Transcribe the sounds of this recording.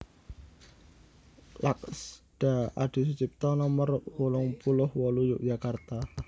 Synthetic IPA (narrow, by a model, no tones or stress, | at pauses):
lak̚sd̥aaɖ̥i̤s̬ut͡ʃip̚t̪ɔnɔmərwɔlɔŋpulʊhwɔlujuʔdd͡ʒakart̪a